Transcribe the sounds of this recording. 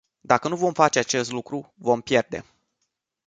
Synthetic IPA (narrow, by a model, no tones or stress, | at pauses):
d̪akənuvo̞mfat͡ʃeat͡ʃe̞st̪lukɾuvo̞mpje̞rd̪e̞̰